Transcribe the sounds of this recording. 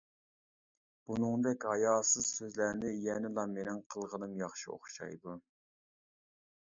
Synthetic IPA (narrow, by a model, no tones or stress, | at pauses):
b̥unɨŋd̪ɛkʲhɑjɑːsɨz̥søzlæɾnɪjɛnɪlˠɑmenɪŋqʰəlˠʁənɨmjɑχʃio̰χʃɑ̰jd̪u